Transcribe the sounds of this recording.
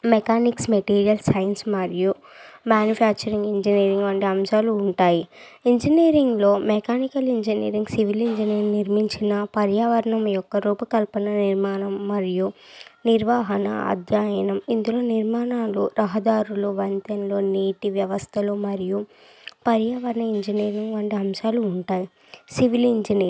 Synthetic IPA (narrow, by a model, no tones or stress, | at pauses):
mekaːniksmeʈiːɾijɐlsɐjnsmɐɾiju | maːnjupʰaːk̚t͡ʃɐɾiŋɡiɲd͡ʒiniːɾiŋɡʋɐɳɖiɐmʃaːluːɳʈaːji | iɲd͡ʒiniːɾiŋɡlo̞ːmekaːnikɐliɲd͡ʒinḭːɾiŋɡsiʋiliɲd͡ʒiniːɾniɾmiɲt͡ʃinɐpɐɾjaːʋɐɾɐɳɐmijɔkːɐɾuːpɐkɐlpɐnɐniɾmaːnɐmːɐɾiju | niɾʋaːɦɐnɐ̰ɐ̰d̪ʱjaːjɐnɐmind̪ulo̞ːniɾmaːnaːluɾɐɦɐd̪aːɾuluʋɐnt̪ɐnlo̞ːniːʈiʋjɐʋɐst̪ʰɐlumɐɾiju | pɐɾjaːʋɐɾɐɳɐiɲd͡ʒiniːɾiŋɡʋɐːɳɖiɐmʃaːluːɳʈaːji | siʋiliɲd͡ʒini